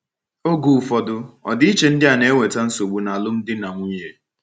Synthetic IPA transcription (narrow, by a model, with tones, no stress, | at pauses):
o˦ɡu˨fɔ˨dʊ˦ɔ̰˨dɪ˦i˦t͡ʃe˨n̩˦dɪ˦a˨ne˨˦ŋʷe˨ta˦n̩˦so˨ɡ͡bu˨na˨lʊ˦n̩˦dɪ˦na˨ŋʷu˦ɲe˦